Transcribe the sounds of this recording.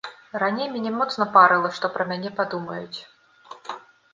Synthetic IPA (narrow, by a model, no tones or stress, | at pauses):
ɾanʲejmʲɛnʲɛmɔt̪snɐpaɾɨlˠɐʂt̪ɔpɾɐmʲanʲɛpad̪umɐjut͡sʲ